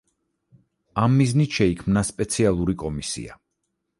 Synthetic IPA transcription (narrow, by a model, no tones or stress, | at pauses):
amːiznit̪ʃɛikʰmnaspʼɛt̪sʰialˠuɾikʼɔmisḭa̰